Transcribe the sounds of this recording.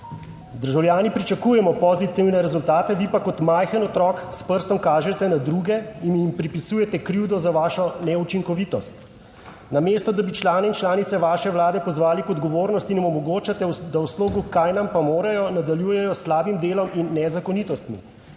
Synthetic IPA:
d̪əɾʒawljaːnipɾit͡ʃakuːjɛmɔpɔzit̪iwnɛɾɛzult̪aːt̪ɛʋipakɔt̪majxənɔt̪ɾɔːkspəɾst̪ɔmkaːʒɛt̪ɛnad̪ɾuɡɛinjimpɾipisuːjɛt̪ɛkɾiwd̪ɔzaʋaːʃɔnɛut͡ʃiŋkɔʋiːt̪ɔst̪ | nameːst̪ɔd̪abit͡ʃlaːnɛint͡ʃlaːnit̪sɛʋaːʃɛʋlaːd̪ɛpɔzʋaːlipɔd̪ɡɔʋoːɾnɔst̪inmɔmɔɡoːt͡ʃat̪ɛd̪awsloːɡukajnampamoːɾajɔnad̪aljuːjɛjɔslaːbimd̪eːlɔminːɛzakɔnit̪ɔst̪mḭ

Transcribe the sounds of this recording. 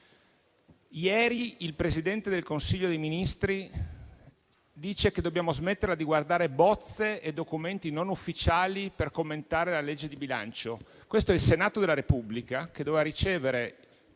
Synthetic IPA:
jɛːɾiilpɾesid̪ɛnt̪ed̪elkonsiʎːod̪ejminist̪ɾi | d̪iːt͡ʃeked̪objaːmozmet̪ːeɾlad̪iɡward̪aːɾebɔt̪sːeed̪okument̪inonufːit͡ʃaːliperkomːent̪aːɾelaled͡ʒːed̪ibila̰nt͡ʃo | kwest̪oɛilsenaːt̪od̪elːaɾepublikaked̪ovevaɾit͡ʃeːveɾe

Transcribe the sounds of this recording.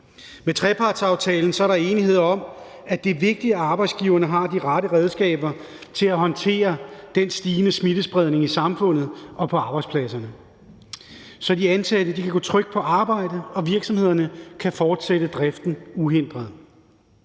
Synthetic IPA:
met͡sʰʁɛpʰɑ̈ːd̥sɑ̈ʊt͡sʰɛːln̩sɒ̽æɐɾɑ̈e̝ːnihe̝ð̞̰ˠɐɒ̽m | æd̥e̝ʋe̝ɡ̥̚d̥iæɑ̈ːb̥ɑ̈ɪd̥sɡ̥iʊɐnəɦɑ̈d̥iʁɑɾəʁɛð̞ˠsɡ̥ɛ̰ːb̥ɐ | t͡sʰe̝læɦɒ̽nt͡sʰe̝̰ːɐd̥ensd̥iːnəsmid̥əsb̥ʁɛð̞ˠne̝ŋisɑ̈mfɔ̽n̰ð̩ˠɒ̽pʰɒ̽ɑ̈b̥ɑ̈ɪ̥spʰlæsɐnə | sɒ̽diænsʰæd̥əd̥ikʰæɡ̥ɔ̰̽ːt͡sʰʁœɡ̥̚pʰɒ̽ʔɑ̈ːb̥ɑ̈ɪ̰d̥əɒ̽ʋiɐɡ̥sɒ̽mhe̝ð̰ˠɐnəkʰæfɒːd̥sed̥əd̥ʁɛfd̥n̩uɦen̰d̥ʁɐðˠ

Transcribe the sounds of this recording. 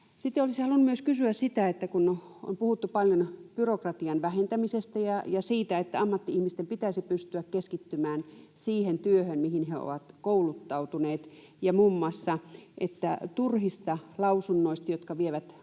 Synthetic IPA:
sit̪ːeolisihɑlunːumyøskysyæssit̪æet̪ːækun | o̰mpuhut̪ːupɑljonpyrokrɑt̪iɑnʋæhent̪æmisest̪æjɑjɑsiːt̪æet̪ːæɑmːɑt̪ːiihmist̪empit̪æisipyst̪yækkeskit̪ːymæːnsiːhent̪yøhønmihinheo̰ʋɑt̪koulut̪ːɑut̪uneːt̪ | jɑmumːɑsːɑʔet̪ːæt̪urhist̪ɑlɑusunːoist̪ɑjot̪kɑʋieʋæt̪

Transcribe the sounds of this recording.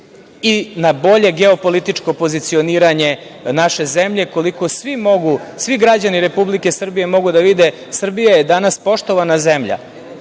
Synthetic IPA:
inabo̞ʎe̞ɡeopo̞lit̪it͡ʂko̞pozit̪sio̞niːɾaɲe̞ | naʃe̞zemʎe̞ko̞liko̞sʋimo̞ɡusʋiɡɾad͡ʑaniɾe̞publike̞sr̩bije̞mo̞ɡud̪aʋid̪e̞ | sr̩bijaje̞d̪anaspo̞ʂt̪o̞ʋanazemʎa̰

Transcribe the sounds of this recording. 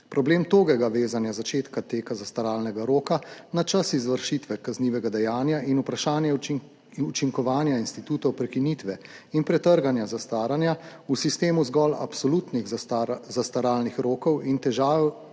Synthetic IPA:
pɾɔbleːmt̪oːɡɛɡaʋeːzanjazat͡ʃeːt̪kat̪eːkazast̪aɾaːlnɛɡaɾoːkanat͡ʃasizʋəɾʃit̪ʋɛkazniːʋɛɡad̪ɛjaːnjaʔinupɾaʃaːnjɛ | ut͡ʃiŋkɔʋaːnjainst̪it̪uːt̪ɔwpɾɛkinit̪ʋɛinpɾɛt̪əɾɡanjazast̪aːɾanja | usist̪eːmuzɡɔla̰psɔlut̪niɣzast̪aɾaːlnixɾoːkɔwint̪ɛʒaː

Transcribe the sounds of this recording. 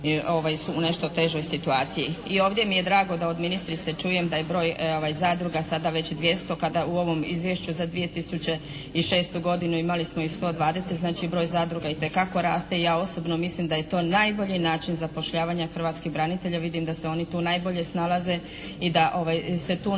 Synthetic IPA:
o̞ʋajsuune̞ʃt̪ot̪e̞ʒo̞jsit̪uaːt̪sijiio̞ːʋd̪ʲje̞mije̞d̪ɾaːɡo̞d̪ao̞d̪minist̪ɾit̪set͡ʃuje̞md̪aje̞bɾo̞ːjoʋajzaːd̪ɾuɡasad̪aʋe̞t͡ɕd̪ʋje̞st̪o̞kad̪auo̞ʋo̞mizʋje̞ʃt͡ɕuzad̪ʋije̞t̪isut͡ɕe̞ | iʃe̞ːst̪uɡo̞d̪inuimalismo̞ist̪o̞ːd̪ʋaːd̪e̞set̪znaːt͡ʃibɾo̞ːjzaːd̪ɾuɡait̪e̞kako̞ɾaːst̪e̞ijaːo̞so̞bnomislimd̪aje̞t̪o̞ːnajbo̞ʎinaːt͡ʃinzapo̞ʃʎaːʋaɲaxr̩ʋaːt̪skiɣbɾanit̪e̞ʎaʋid̪imd̪aseo̞nit̪uːnajbo̞ʎe̞snalˠaze̞ | id̪aʔo̞ʋajse̞t̪uː

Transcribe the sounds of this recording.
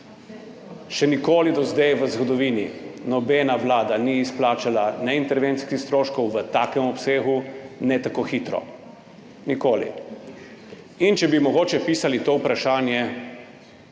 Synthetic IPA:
ʃɛnikoːlid̪ɔzd̪ejʋəzɡɔd̪ɔʋiːninɔbɛnaʋlaːd̪aniːsplaːt͡ʃalanɛint̪ɛɾʋent̪skixst̪ɾoːʃkɔwʋət̪aːkɛmɔpseːɣunɛt̪akoxiːt̪ɾɔ̰ | nikoːlḭ | int͡ʃɛbimɔɡoːt͡ʃɛpiːsalit̪oːupɾaʃaːnjɛ

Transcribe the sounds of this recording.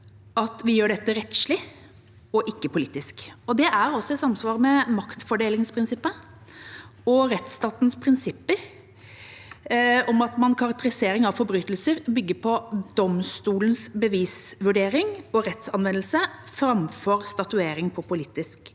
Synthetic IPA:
ɑt̪ʋɪjøːɖɛt̪ːəɾɛt̪ʂlɪ | ɔʔɪkːəpʊliːt̪ːɪskɔd̪ɛʔæɾɔsːɔɛt̪sɑmsʋɑːʁmɛmɑkt̪fɔɖeːlɪŋspʰɾɪnsɪpːə | ɔɾɛt̪st̪ɑːt̪nspʰɾɪnsɪpːəɾ | ɔmɑt̪mɑnkʰɑɾɑk̚t̪əɾɪseːɾɪŋɑʋfɔɾbɾyːt̪lsəɾbʏɡːəpʰɔd̪ɔmst̪uːlənsbəʋiːsʋʉɖeːɾɪŋɔɾɛt̪sɑnʋɛnːlsəfɾɑmfɔɾst̪ɑt̪ʉeːɾɪŋpʰɔpʰʊliːt̪ɪsk

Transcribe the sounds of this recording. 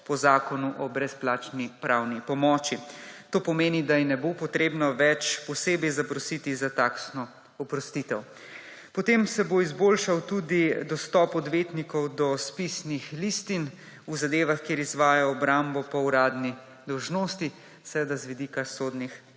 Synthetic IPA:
pɔzaːkɔnuʔɔbɾɛsplaːt͡ʃnipɾawnipɔmɔːt͡ʃit̪oːpɔmeːnid̪ajinɛbopɔt̪ɾeːbnɔʋɛt͡ʃpɔseːbɛjzapɾɔsit̪izat̪aːksnɔ | ɔpɾɔst̪it̪ɛw | pɔt̪emsɛboizboːlʃawt̪ud̪id̪ɔst̪ɔːpɔd̪ʋeːt̪nikɔwd̪ɔspisnixliːst̪in | uzad̪eːʋaxkeɾizʋaːjaɔbɾambɔpɔuɾaːd̪ni | d̪ɔwʒnoːst̪i | sɛʋɛd̪azʋid̪ikasoːd̪nix

